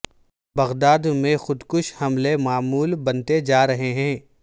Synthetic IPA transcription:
bɐɣd̪aːd̪mẽxʊd̪kʊʃhɐmlemaːmuːlbɐnt̪ed͡ʒaːɾɐɦeɦɛ̃ː

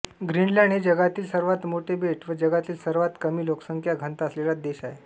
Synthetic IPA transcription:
ɡɾiɳlaɳed͡ʑəɡat̪iːlsəɾʋat̪moʈʰebeʈʰʋəd͡ʑəɡat̪iːlsəɾʋat̪kəmiːloksəŋkʰjaɡʱənt̪əslelad̪eɕae

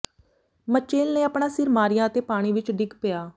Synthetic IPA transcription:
mət͡ʃeːlneːəpɳãːsɪɾmaːɾɪjãːət̪eːpaːɽ̃iːʋɪt͡ʃɖɪɡpɪjaː

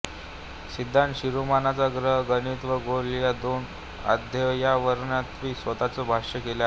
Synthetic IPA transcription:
sid̪ʱːanɕiɾumanat͡saɡɾəɦɡənit̪ʋəɡoljad̪oːn | a̰d̪ʱjəjaʋəɾɳat̪ʋiːsʋət̪at͡sɔbʱaɕəkela

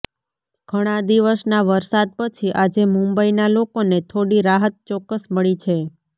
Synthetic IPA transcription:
ɡ̥ʱəɽ̃ãd̪iʋəsnaʋəɾsad̪̚pət͡ʃʰiʔad͡ʒemũmbəinalokonet̪ʰoɽiɾaɦət̪̚t͡ʃɔkːəsməɭit͡ʃʰe

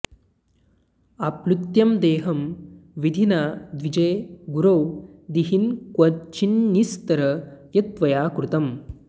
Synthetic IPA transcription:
ɐplut̪jɐmd̪eːɦɐmʋid̪ʱinaːd̪ʋid͡ʒɐjɡuɾɐwd̪iɦinkɐt͡ʃinːist̪ɐɾɐjɐt̪ʋɐjaːkɾut̪ɐm

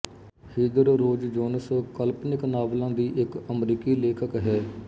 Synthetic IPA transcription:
hiːd̪əɾɾoːd͡ʒd͡ʒoːnəskəlpnɪknaːblãːd̪iːʔɪkəmɾiːkiːleːkʰəkɦɛː

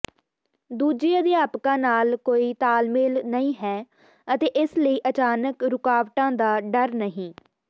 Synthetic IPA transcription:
d̪uːd͡ʒiːəd̪ɪjaːpkãːnaːlkoːiːt̪aːlmeːlnəĩːɦɛː | ət̪eːʔɪsləiːʔət͡ʃaːnəkɾʊkaːʋʈãːd̪aːɖəɾnəɦĩː

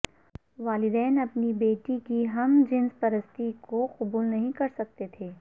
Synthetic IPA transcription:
ʋaːlɪd̪ɛːnɐpnibeːʈikiɦɐmd͡ʒɪnspɐɾəst̪ikoqʊbuːlnɐɦĩkɐɾsɐk̚t̪et̪ʰeː

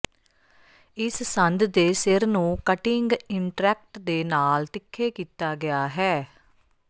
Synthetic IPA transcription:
ɪssənd̪d̪eːsɪɾnũːkəʈɪŋɡɪɳʈɾɛːk̚ʈd̪eːnaːlt̪ɪkʰːeːkiːt̪aːɡɪaːɦɛː

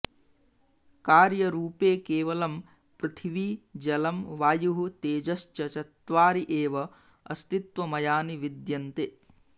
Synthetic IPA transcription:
kaːɾjɐɾuːpeːkeːʋɐlɐm | pɾit̪ʰiʋid͡ʒɐlɐmʋaːjuɦut̪eːd͡ʒɐʃt͡ʃjɐt͡ʃɐt̪ʋaːɾiʔeːʋɐ | ɐst̪it̪ʋɐmɐjaːniʋid̪jɐnt̪eː

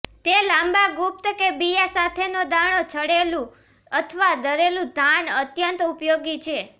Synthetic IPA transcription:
t̪elãmbaɡup̚t̪kebijasat̪ʰenod̪aɽ̃ot͡ʃʰəɽelũ | ət̪ʰəʋad̪əɾelũd̪ʱanət̪jənt̪upjoɡit͡ʃʰe

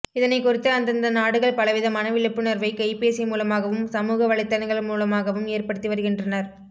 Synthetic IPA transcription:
ɪðɐnɐɪkːʊrɪt̪ːɯɐnd̪ɐnd̪ɐnaːɽɯɣɐɭpɐlɐʋɪðɐmɐnɐʋɪɭɯpːɯnɐɾʋɐɪkɐɪpeːsɐɪmuːlɐmaːɣɐʋɯmsɐmuːɣɐʋɐɭɪt̪ːɐnɐɪɣɐɭmuːlɐmaːɣɐʋɯmeːrpɐɽɯt̪ːiʋɐɾɯɣɪndrɐnɐɾ

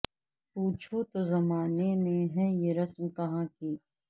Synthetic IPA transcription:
puːt͡ʃʰot̪ozɐmaːneneɦɛ̃jeɾɐsmkɐɦãːkiː

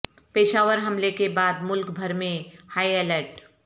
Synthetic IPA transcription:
peːʃaːʋəɾɦɐmlekebaːd̪̚mʊlkbʱɐɾmẽhaːieːləɾʈ

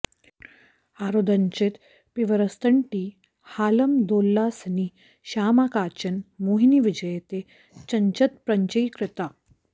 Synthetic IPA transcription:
aːɾoːd̪ʱɐnt͡ʃit̪ | piʋɐɾɐst̪əɳʈiː | haːlɐmd̪oːlːaːsni | ɕaːmakaːt͡ɕɐnmoːɦiniʋid͡ʑɐjet̪e | t͡ɕɐɲt͡ʃɐt̪̚pɾɐɲt͡ʃəjkɾɪt̪a

